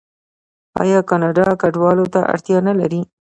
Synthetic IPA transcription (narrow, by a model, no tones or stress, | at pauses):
ɑ̰jɑkɑnɑɖɑkaɖwɑlot̪a̰ʔa̰ɾt̪jɑnalaɾi